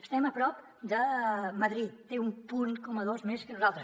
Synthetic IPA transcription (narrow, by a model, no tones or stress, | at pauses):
əst̪ɛməpɾɔp | d̪əməðɾit̪ːeumpuŋkɔməðozmeskənuzalˠt̪ɾəs